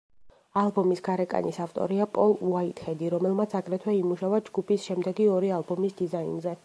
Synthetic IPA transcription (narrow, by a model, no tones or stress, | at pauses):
alˠbɔmisɡaɾɛkʼa̰nisaft̪ʼɔ̰ɾiapʼɔlˠuwait̪hɛd̪iɾɔmɛlˠmat̪sʰakʼɾɛt̪ʰwɛimuʃavad͡ʒɡupʰisʃɛmd̪ɛɡiɔɾialˠbɔmisd̪izainzɛ